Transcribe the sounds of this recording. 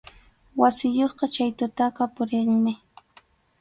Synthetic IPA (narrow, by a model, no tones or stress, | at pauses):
wasɪjoχqɑt͡ʃajt̪ʊt̪ɑqɑpʊɾɪŋmɪ